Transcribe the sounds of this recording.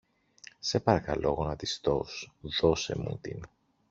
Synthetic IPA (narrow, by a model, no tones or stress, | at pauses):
se̞pɐɾɐkɐlo̞ɣo̞nɐt̪ist̪o̞sðo̞se̞̰mṵt̪ḭn